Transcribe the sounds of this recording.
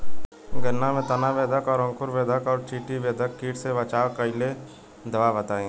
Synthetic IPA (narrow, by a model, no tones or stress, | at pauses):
ɡənamẽt̪ɐnaʋeːd̪əkɔːɾə̃ŋkʊɾʋeːd̪ʱəkɔːɾt͡ʃiːʈiʋeːd̪əkːiːʈseʋɐt͡ʃaːʋkəɪle | d̪ɐʋabət̪aːĩ